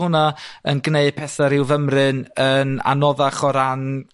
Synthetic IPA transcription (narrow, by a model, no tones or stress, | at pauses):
ʊnaənɡneɨd̚pʰɛθaɾɪwvəmrɨnəna̰nɔðaχɔɾan